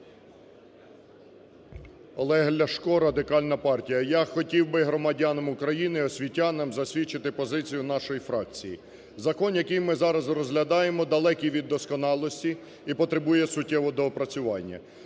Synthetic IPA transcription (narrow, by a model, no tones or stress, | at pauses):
ɔlˠɛɦlʲɐʃkɔɾɐd̪ɪkɑlʲnɐpɑrtʲijɐjaxɔtʲiwbɪɦɾɔmɐdʲanɐmʊkɾɐjinɪɔsʲʋʲitʲːanɪmzɐsʲʋʲit͡ʃːɪt̪ɪpɔzɪt͡sʲijʊnɑʃɔjifɾɑk̚t͡sʲiji | zɐkɔnjɐkijmɪzɑɾɐzrɔzɦlʲɐd̪ɑjemɔd̪ɐlˠɛkʲiʋʲid̪ːɔskɔnɑlˠɔsʲtʲi | ipɔt̪ɾebujɛsʊtʲːɛʋɔd̪ɔpɾɐt͡sʲʊʋɑnʲːɐ̰